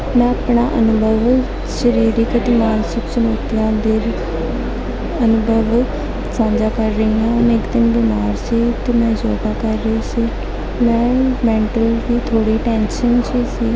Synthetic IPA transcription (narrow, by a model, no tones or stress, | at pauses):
mɛ̃ːapɳaːʔənʊbʱəʋ | ʃəɾiːɾɪːkət̪ɪmaːnsɪksənoːt̪ɪjãːd̪eːɾ | ənʊbʱəʋ | sãːnd͡ʒaːkəɾːəiːãːnɪkd̪ɪnbimaːɾsiːt̪ʊmɛ̃ːzoːɡ̪aːkəɾːesiː | mɛ̃ːmɛ̃ːɳʈəlʋiːt̪ʰoːɽiːʈɛ̃ːnʃənt͡ʃiːsiː